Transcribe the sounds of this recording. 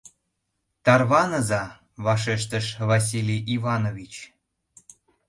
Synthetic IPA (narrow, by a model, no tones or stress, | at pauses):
t̪ɑrβɑnəzɑ | βɑʃ̬eʃt̪əʃβɑs̬ʲilʲijʔivɑnovʲit͡ɕ